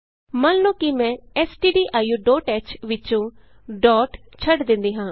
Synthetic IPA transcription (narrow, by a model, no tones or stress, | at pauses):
mənlõːkimɛ̃ːɛːsʈiːɖiːʔaːjuːɖɔːʈɛːt͡ʃʋɪt͡ʃõː | ɖɔːʈ | t͡ʃʰəɖd̪ɪ̃nd̪iːɦãː